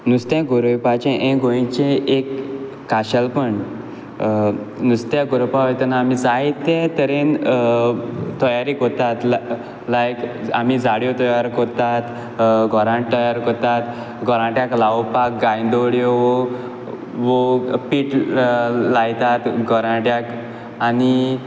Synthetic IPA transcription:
nust̪jãɡoɾojpat͡ɕẽʔɛ̃ɡʱojĩt͡ɕẽekː | aɕəlpəɳ | nust̪jaɡoɾopaʋət̪ənaːmid͡zait̪ːẽt̪əɾen | t̪ɔjaɾikot̪at̪l | lajkamid͡zaɽjot̪ɔjaɾkɔɾt̪at̪ | ɡʱɔɾãʈ̚t̪ɔjaɾkɔɾt̪at̪ | ɡʱɔɾãʈjaklaʋpak̚ɡãjd̪oɽjoʋo | ʋopiːʈ | lajt̪at̪ɡʱɔɾãʈjak | ani

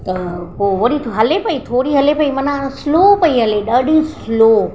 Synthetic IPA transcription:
t̪ɐkoʋoɽiɦɐlepɐit̪ʰoːɾiɦɐlepɐimɐnãslopɐiɦɐleɗəɖislo

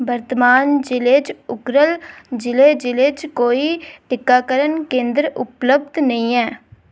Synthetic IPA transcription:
bəɾt̪maːnd͡ʒɪleːt͡ʃʊkɾəld͡ʒɪleːd͡ʒɪleːt͡ʃkoːiːʈɪkːaːkəɾənkẽːnd̪ɾʊ̰pləb̚d̪nəĩːɛː

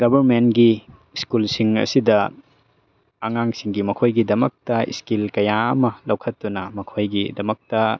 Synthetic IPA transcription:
ɡɐbɐɾmenɡi | skulsiŋɐ̰sidɐ | aŋaŋsiŋɡimɐkʰojɡidɐmɐk̚tɐḭskilkɐjaɐ̰mɐlɐwkʰɐtːunɐmɐkʰojɡidɐmɐk̚tɐ

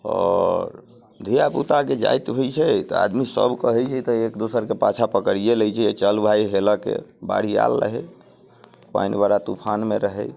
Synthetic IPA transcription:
ɔ̰ɾ | d̪ʱijaput̪aked͡ʒa̰jt̪ɦojt͡ʃʰɛt̪ɔa̰d̪misə̰bkəɦɛt͡ʃʰɛt̪ɔekd̪osəɾkepat͡ʃʰapəkɾijelɛjt͡ʃʰɛet͡ʃəlbʱajɦeləkḛba̰ɽ̤ia̰lːə̰ɦɛ̰ | pa̰inbaɾat̪upʰanmeɾəɦɛj

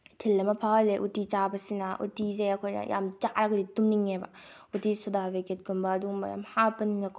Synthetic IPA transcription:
tʰilːɐmɐpʰawleʔutit͡ʃabɐsinɐʔṵtizeɐkʰojnɐ̰ja̰mt͡ʃaɾɐɡɐditumniŋebɐ̰ | utisɔdaʋeket̚ɡumbɐːd̪uŋmɐ̰ja̰mhapɐniŋɐkʰ

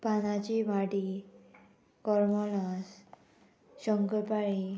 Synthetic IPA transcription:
panat͡ɕimaɽi | kɔɾmɔlas | ɕɔŋkəpaɭi

